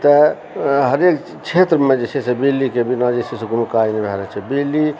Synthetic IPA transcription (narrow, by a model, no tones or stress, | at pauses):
t̪ə | ɦəɾek | t͡ʃʰet̪ɾəmẽd͡ʒet͡ʃʰɛsebilːikebinad͡ʒesʰɛseɡunukainibʱɛɾɛt͡ʃʰɛbili